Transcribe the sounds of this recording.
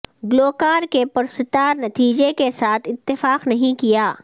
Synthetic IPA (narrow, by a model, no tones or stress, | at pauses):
ɡloːkaːɾkepʊɾst̪ɪt̪aːɾnɐt̪iːd͡ʒekesaːt̪ʰɪt̪ːɪfaːqnɐɦĩkijaː